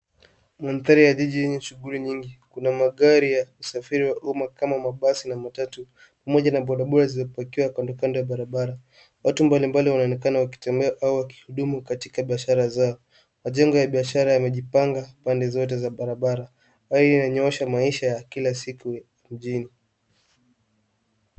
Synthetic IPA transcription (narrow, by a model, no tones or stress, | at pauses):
manθaɾijaʄiʄijɛɲɛʃuɠuliɲiŋɡikunamaɠaɾijausafiɾiwaʔumakamamaɓasinamatatu | pamɔʄanaɓɔɗaɓɔɾazizɔpakiwakwandɔkandɔjaɓaɾaɓaɾa | watumbalimbaliwanaɔnɛkanawaki̥tɛmbɛaʔauwaki̥huɗumukatikaɓiaʃaɾazaɔ | maʄɛŋɡɔjaɓiaʃaɾajamɛʄipaŋɡapandɛzɔt̬ɛzaɓaɾaɓaɾa | waiinaɲɔɛʃamaiʃajakilasiku | m̩ʄini